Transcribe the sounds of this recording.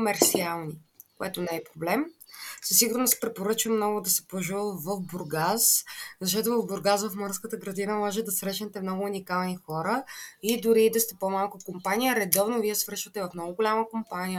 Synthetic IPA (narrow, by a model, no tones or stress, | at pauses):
komɛɾt̪sialˠni | koɛt̪onɛɛpɾoblɛmsəsiɡʊɾnospɾɛpoɾɤt͡ʃvɐmnɔɡʊd̪ɐsɛ̥poʒulˠvɐfbʊɾɡaszɐʃ̬t̪ɔt̪ʊvɐvbʊɾɡazvɐfmɤɾskət̪əɡɾɐd̪inəmɔʒɛt̪d̪ɐsɾɛʃnɛt̪ɛmnɔɡʊːnikalˠnixɔɾəid̪ʊɾiːd̪ɐst̪ɛpomalˠkʊkompanijəɾɛd̪ɔvnoviɛsvɾɤʃvət̪ɛvɐfnɔɡʊɡʊlʲaməkompanʲijə